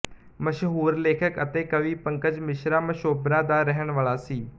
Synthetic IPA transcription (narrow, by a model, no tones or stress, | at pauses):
məʃɦuːɾleːkʰəkət̪eːkəʋiːpəŋkəd͡ʒmɪʃɾaːməʃoːbɾãːd̪aːɾɛɦəɳʋaːlaːsiː